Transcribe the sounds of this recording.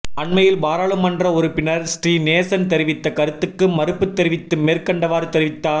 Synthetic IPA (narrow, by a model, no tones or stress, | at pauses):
ɐɳmɐjɪlbaːɾaːɭɯmːɐndrɐɔɾɯpɪnɐɾsʈriːneːsɐnt̪ɛɾɪʋɪt̪ːɐkɐɾɯt̪ːɯkːɯmɐɾɯpːɯt̪ːɛɾɪʋɪt̪ːɯmeːrkɐɳɖɐʋaːɾt̪ɛɾɪʋɪt̪ːaː